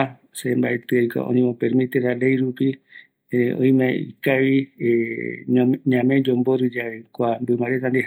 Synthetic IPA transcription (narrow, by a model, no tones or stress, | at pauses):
sembaet̪ɨajko̰ʔõ̰nĩmõpeɾmĩt̪eɾale̞jɾupi | õ̰j̃mẽḭkaβi | ɲãmẽ̞d͡ʒomboɾɨd͡ʒaekʷambɨmaɾet̪and̪e